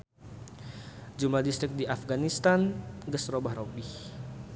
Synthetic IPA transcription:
d͡ʒumadist̪ɾik̚diʔafɡanist̪anɡəsrobahrobih

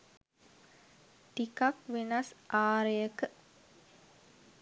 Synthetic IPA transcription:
ʈikakʋenasʔaːɾejəkə

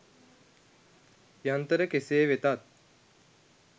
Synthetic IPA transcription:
jant̪əɾəkeseːʋet̪at̪̚

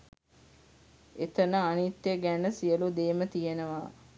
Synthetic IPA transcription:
et̪ənəanit̪ːeɡænəsiəlud̪eːmət̪ijenəʋaː

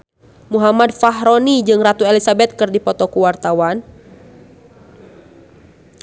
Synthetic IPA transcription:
muɦamad̚faɦɾonid͡ʒɨŋrat̪uelisabɛt̪̚kɨrdipɔt̪ɔkuwart̪awan

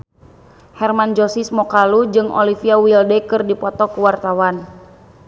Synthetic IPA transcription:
hɛrmand͡ʒɔsismɔkalud͡ʒɨŋɔ̰lifiawildɛkɨrdipɔt̪ɔkuwart̪awan

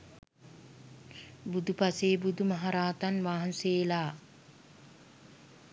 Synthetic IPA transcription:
bud̪upaseːbud̪umɐɦaɾaːt̪anʋaːɦɐnseːlaː

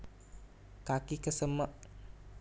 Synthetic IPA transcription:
kakikəsəməʔ

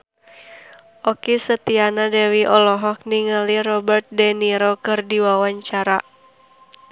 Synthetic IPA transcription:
ʔɔkisət̪ianadɛwiʔɔlɔɦɔk̚niŋəlirɔbərt̪̚dɛniɾokɨrdiwawaɲt͡ʃaɾa

